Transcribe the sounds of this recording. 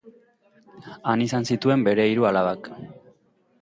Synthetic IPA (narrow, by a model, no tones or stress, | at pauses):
anisansit̪ue̞mbe̞ɾe̞iɾualaβak